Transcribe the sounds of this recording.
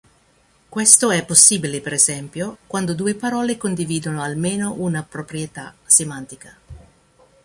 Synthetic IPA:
kwɛst̪oɛpːosːiːbilepeɾɛzɛmpjokwand̪od̪uːepaɾɔːlekond̪iviːd̪onoalmeːnoʔunapɾopɾijet̪asemant̪ika

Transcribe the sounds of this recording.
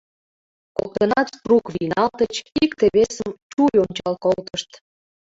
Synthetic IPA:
ko̰k̚t̪ənɑsprukβinɑlt̪ət͡ɕikt̪eβesəmt͡ɕujonʲt͡ɕɑlkolt̪əʃt̪

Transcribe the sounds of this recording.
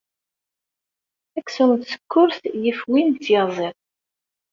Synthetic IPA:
ækːsʊɾnt̪sə̥kʰːʊɾθjəfwint̪ːjɑzˤeðˤ

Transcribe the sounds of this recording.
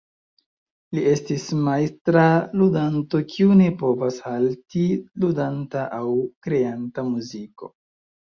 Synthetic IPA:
lie̞stismajstɾaludanto̞kʰiune̞po̞vashaltiludantaʔawkɾe̞antamuziko̞̰

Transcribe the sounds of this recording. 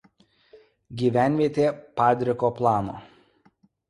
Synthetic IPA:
ɡʲiːʋʲæˑnʲʋʲiɛt̪ʲeːpɑːd̪ʲɾʲɪkoːplˠɑːno̰ː

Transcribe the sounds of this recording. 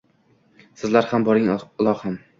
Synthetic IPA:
sɪzlaɾhambɒɾɪŋlˠɒham

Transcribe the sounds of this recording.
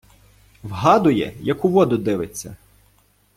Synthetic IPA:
ʋɦɑd̪ʊjɛ̰jɐkʊʋɔd̪ʊd̪ɪʋet͡sʲːɐ̰

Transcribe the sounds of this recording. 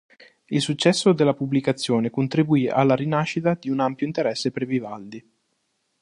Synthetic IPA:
ilsut͡ʃːɛsːod̪elːapublikat̪sːjoːnekont̪ɾibuia̰lːaɾinaʃːit̪ad̪iunampjoint̪eɾɛsːepɾevivald̪i

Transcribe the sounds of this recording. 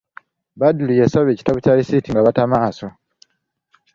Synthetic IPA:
badulijesaβe̞ci̥taβucalisitiŋɡaβatamaːso̞

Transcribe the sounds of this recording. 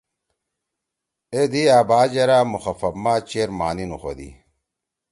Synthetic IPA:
ed̪iaːbaːd͡ʑɐɾaːmuxɐfɐbmaːt͡ɕeɾmaːninuxod̪ḭ

